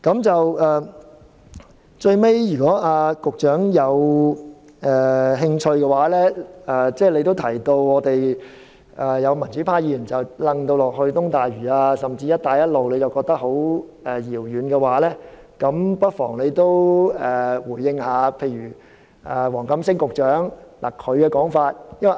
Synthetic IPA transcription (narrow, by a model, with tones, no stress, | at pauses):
kɐ˨˥mt͡sɐ˨wʔɛː˨˩ | t͡ʃɵ˧ɥme˥jjyː˨˩kɔː˨˥ʔaː˧kʊ˨k̚t͡ʃœː˨˥ŋjɐ˨˧w | ɛː˨˩ɦɪ˧ŋt͡ʃʰɵ˧ɥkɛ˧waː˨˥lɛː˥ɛː˨t͡sɛː˥˩le˧jt̪o˥wt̪ʰɐ˨˩jt̪o˧wɔː˨˧t̪e˨j | ʔɛː˨˩jɐ˨˧wmɐ˨˩nt͡ʃy˨˥pʰaː˧˥jiː˨˥˧jyː˨˩nt͡sɐ˨wlɐ˧ŋt̪o˧wlɔː˨k̚hɵ˧ɥt̪ʊ˥ŋt̪aː˨jɥyː˨˩aː˧sɐ˨˩mt͡siː˧jɐ˥t̪̚aː˨˧jɐ˥t̚lo˨wle˨˧jt͡sɐ˨˩wkɔː˧k̚t̪ɐ˥k̚ho˨˥wɛ˨jiː˨˩wjyː˨˧nkɛ˧waː˨˥lɛː˥ | kɐ˨˧˥mpɐ˥t̚fɔ̰ː˨˩ŋle˨˧jt̪o˥wɛ˨wuː˨˩jːɪ˧ŋhaː˨˧pʰe˧jɥyː˨˩ | ʔɛː˨˩wɔː˨˩ŋkɐ˨˥msɪ˥ŋkʊ˨k̚t͡ʃœː˨˥ŋla̰ː˨˩kʰɵ˨˧ɥkɛː˧kɔː˨˥ŋfaː˧t̚jɐ˥nwɐ˨˩